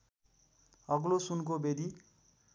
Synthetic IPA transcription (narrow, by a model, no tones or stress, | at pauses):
ʌɡlosunkobed̪i